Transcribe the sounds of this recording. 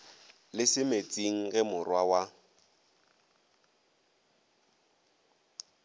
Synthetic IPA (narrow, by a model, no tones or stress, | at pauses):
lɪsɪmet͡sʼiŋ̩ɣɛmʊrwawa